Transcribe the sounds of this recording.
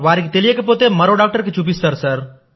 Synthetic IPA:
ʋaɾikt̪eliekep̬ot̪emɐɾoɖaːk̚ʈəɾket͡ʃup̬ist̪əɾsəɾ

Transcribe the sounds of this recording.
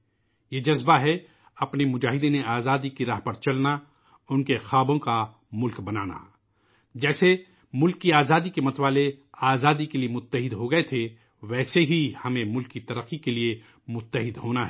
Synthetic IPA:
jed͡ʒɐzbaɦɛ | ɐpnemʊd͡ʒaːɦɪd̪ẽneaːzaːd̪ikiɾaːɦpɐɾt͡ʃɐlna | ʊnkexaːbõka | mʊlkbɐnaːna̰ | d͡ʒɛːse | mʊlkːiaːzaːd̪ikemɐt̪ʋaːleaːzaːd̪ikeliemʊt̪ːəɦɪd̪ɦoɡɐet̪ʰe | ʋɛːseɦihɐmẽmʊlkːit̪ɐɾəqːikelie | mʊt̪ːəɦɪd̪ɦoːnaɦɛ

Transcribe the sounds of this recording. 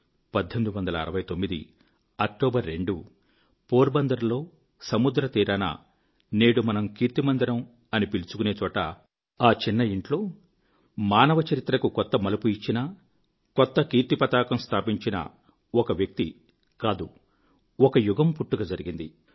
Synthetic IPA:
pɐd̪ʱːend̪uʋɐnd̪ɐlɐ̰ːɾɐʋɐjt̪o̞mːid̪ḭ | ɐk̚ʈoːbɐɾːe̞ɳɖu | poːɾbɐnd̪ɐɾɐlo̞ː | sɐmud̪ɾɐt̪iːɾaːnɐ̰ | ne̞ːɽumɐnɐmkiːɾt̪imɐnd̪ɐɾɐm | ɐnipilut͡ʃu̥kune̞ːt͡ʃɔːʈɐ | aːt͡ʃinːɐiɳʈlo̞ː | maːnɐʋɐt͡ʃɐɾit̪ɾɐkukɔt̪ːɐmɐlupuit͡ʃːinɐ | kɔt̪ːɐkiːɾt̪ipɐt̪aːkɐmst̪ʰaːpiɲt͡ʃinɐ̰ | ɔkɐʋjɐk̚t̪i | kaːd̪u | ɔkɐjuɡɐmpuʈːuɡɐd͡ʒɐɾiɡind̪i

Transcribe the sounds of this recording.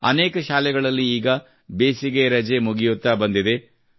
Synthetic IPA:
ɐ̰neːkɐʃaːlɛɡɐɭɐlːiiːɡɐ | beːsiɡeɾɐd͡ʒemuɡijut̪ːabɐnd̪id̪e̞

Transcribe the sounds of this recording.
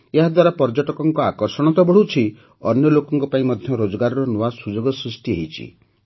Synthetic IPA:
eɦad̪waɾapɔɾd͡ʒɔʈɔkɔŋkɔakɔɾsɔɽ̃ɔt̪ɔbɔɽ̤ut͡ʃʰi | ɔ̰njɔlokɔŋkɔpaĩmɔd̪ʱjɔɾod͡ʒɔɡaɾɔɾɔnoasud͡ʒoɡɔsɾisʈieɦit͡ʃʰḭ

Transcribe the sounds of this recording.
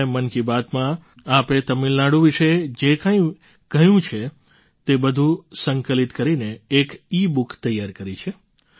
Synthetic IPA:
emənkibat̪mã | apet̪əmilnaɽũʋiʃed͡ʒekə̃ĩ | kəjũt͡ʃʰe | t̪ebəd̪ʱũsəŋkəlit̪kəɾineːkibukt̪əjːaɾkəɾit͡ʃʰe

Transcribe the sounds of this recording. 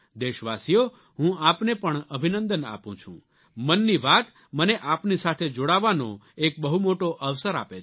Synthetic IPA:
d̪eʃʋasijo | ɦũapnepəɳəbʱinə̃nd̪əna̰pũt͡ʃʰṵ̃ | mənːiʋat̪ | məneʔapnisat̪ʰed͡ʒoɽaʋano̰ek̚bəɦumoʈoʔəʋsəɾa̰pe

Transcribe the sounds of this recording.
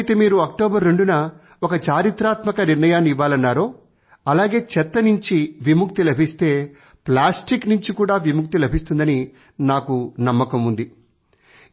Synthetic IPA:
t̪emiːɾuɐk̚ʈoːbɐɾːe̞ɳɖunɐ | okɐt͡ʃaːɾit̪ɾaːt̪mɐkɐniɾnɐjaːnːiiʋːaːlɐnːaːɾo̞ː | ɐlaːɡe̞ːt͡ʃɛt̪ːɐnuɲt͡ʃiʋimuk̚t̪ilɐbʱist̪e̞ː | plaːsʈiknuɲt͡ʃikuːɽaːʋimuk̚t̪ilɐbʱist̪und̪ɐni | naːkunɐmːɐkɐmund̪i

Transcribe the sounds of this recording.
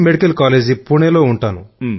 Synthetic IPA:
meɽikɐlkaːleːd͡ʒipuɳeloːuɳʈaːnu

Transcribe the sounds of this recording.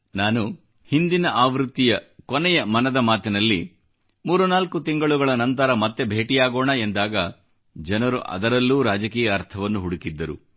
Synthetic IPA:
naːnu | hind̪inɐʔaːʋɾut̪ːijɐkonɛjɐmɐnɐd̪ɐmaːt̪inɐlːi | muːɾunaːlkut̪iŋɡɐɭuɡɐɭɐnɐnt̪̬ɐɾɐmɐt̪ːebʱe̞ːʈijaːɡoːɳɐend̪aːɡɐ | d͡ʒɐnɐɾṵʔɐ̰d̪ɐɾɐlːuːɾaːd͡ʒɐkiːjɐːɾt̪ʰɐʋɐnːuɦuɽukid̪ːɐɾṵ

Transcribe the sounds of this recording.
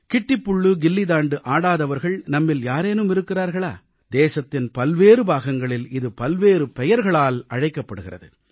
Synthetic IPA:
kɪʈːɪpːʊɭːɯɡɪlːɪd̪aːɳɖɯʔaːɽaːðɐʋɐɾɣɐɭnɐmːɪljaːɾeːnɯmɪɾɯkːɪraːɾɣɐɭaː | d̪eːsɐt̪ːɪnpɐlʋeːɾɯbaːɣɐŋɡɐɭɪlɪðɯpɐlʋeːɾɯpɛjɐɾɣɐɭaːlɐɻɐɪkːɐpːɐɽɯɣɪrɐ̰ðɯ̰

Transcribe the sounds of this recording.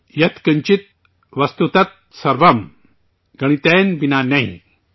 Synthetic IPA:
jɐt̪ʰkəɲt͡ɕit̪̚ | ʋɐst̪ut̪ɐt̪̚ | sɐɾʋɐm | ɡɐɽ̃it̪ɛnbinanaɦḭ̃

